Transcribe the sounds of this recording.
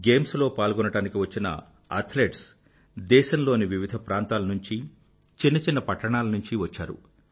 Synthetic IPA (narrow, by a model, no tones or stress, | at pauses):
ɡe̞ːmslo̞ːpaːlɡɔnɐɽaːnikiʋɐt͡ʃːinɐ̰ | ɐ̰ɾt̪ʰleːʈs | d̪ɛːʃɐnlo̞ːniʋiʋid̪ʱɐpɾaːnt̪aːlɐnuɲt͡ʃi | t͡ʃinːɐt͡ʃinːɐpɐʈːɐɳaːlɐnuɲt͡ʃiʋɐt͡ʃːa̰ːɾṵ